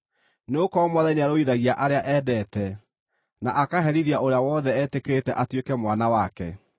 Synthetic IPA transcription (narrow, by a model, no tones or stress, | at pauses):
neokɔmɔðɛɲaɾoiðaɣiaʔaɾeaʔɛːdɛtɛ | naʔakaɦɛɾiɾiaoɾeawɔːðɛɛːtekeɾetɛʔatwekɛmwanawakɛ̰